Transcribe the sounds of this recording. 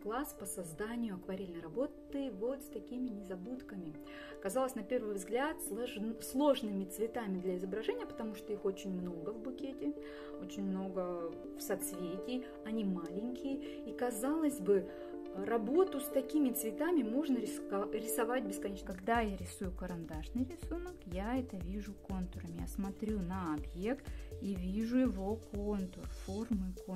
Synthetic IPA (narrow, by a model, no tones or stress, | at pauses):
klˠaspəsɐzd̪anʲɪjʊɐkvɐɾʲelʲnəjrɐbo̞t̪ɨvo̞t̪st̪ɐkʲimʲɪnʲɪzɐbut̪kəmʲɪ | ɐkɐzɑlˠəsʲnɐpʲe̞rvɨjvzɡlʲat̪slˠslˠo̞ʐnɨmʲɪt̪svʲɪt̪amʲɪd̪lʲɐɪzəbɾɐʐɛnʲɪjəpə̥t̪ɐmuʂt̪o̞ixo̞t͡ɕɪnʲmno̞ɡəvbʊkʲetʲɪ | o̞t͡ɕɪnʲmno̞ɡə | fsɐt̪svʲetʲɪ | ɐnʲimalʲɪnʲkʲɪjə | ikɐzalˠəzʲbɨ | ɾɐbo̞t̪ʊst̪ɐkʲimʲɪt̪svʲɪt̪amʲɪmo̞ʐnəɾʲɪɾʲɪsɐvat̚ʲbʲɪskɐnʲet͡ɕnkɐɡd̪ajaɾʲɪsujʊkəɾɐnd̪aʂnɨjɾʲɪsunəkjaɛt̪əvʲiʐʊko̞nt̪ʊɾəmja̰smɐt̪ɾʲunɐɐbje̞kt̪ivʲiʐʊjɪvoko̞nt̪ʊrfo̞rmɨko